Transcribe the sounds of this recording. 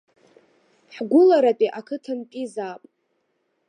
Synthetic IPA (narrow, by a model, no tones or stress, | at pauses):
ħɡʷʊlaɾapʼiʔakʰɨtʰantʼizaːpʼ